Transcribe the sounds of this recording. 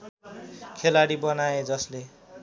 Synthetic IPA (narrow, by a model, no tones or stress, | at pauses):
kʰelaɽibʌnaed͡zʌsle